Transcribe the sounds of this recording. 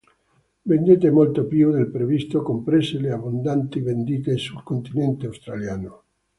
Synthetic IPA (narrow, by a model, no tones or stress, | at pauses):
vend̪et̪̬emolt̪opiod̪elpɾevist̪okompɾeseleabond̪ant̪ivend̪iːt̪esulkont̪inɛnt̪eawst̪ɾaljaːno